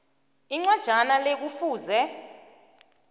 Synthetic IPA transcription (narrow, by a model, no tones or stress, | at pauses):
iŋ͡ǀwad̥ʒ̥ʱanalek̬ufuːzɛ